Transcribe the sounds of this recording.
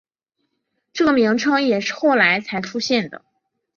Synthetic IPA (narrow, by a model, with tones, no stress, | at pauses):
ʈ͡ʂɤ˥˩ɡə˩mi˧˥ŋʈ͡ʂʰɤ˥ŋjɛ˨˩ʂɻ̩˥˧xo˥˩ʊla˧˥ɪt͡sʰa˧˥ɪʈ͡ʂʰu˥ɕjɛ˥˩nd̪ə̰˩